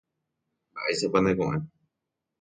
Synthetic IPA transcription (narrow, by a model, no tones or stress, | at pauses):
baʔesepanẽkõʔẽ